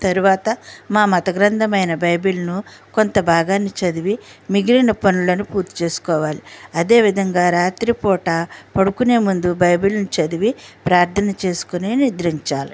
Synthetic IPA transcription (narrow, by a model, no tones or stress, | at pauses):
t̪ɐɾuʋaːt̪ɐmaːmɐt̪ɐɡɾɐnd̪ʱɐmɐjnɐbɐjbilɐnuko̞nt̪ɐbʱaːɡaːnːit͡ʃɐd̪iʋimiɡɾinɐpɐnulɐnupuːɾt̪i̥t͡ʃe̞ːsu̥kɔːʋaːliɐd̪e̞ːʋid̪ʱɐŋɡaːɾaːt̪ɾipɔːʈaːpɐɽukune̞ːmund̪ubɐjbilɐnut͡ʃɐd̪iʋipɾaːɾt̪ʰɐnɐt͡ʃe̞ːsu̥kuninid̪ɾiɲt͡ʃaːli